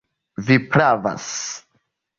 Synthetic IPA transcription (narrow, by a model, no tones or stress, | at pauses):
vipɾava̰s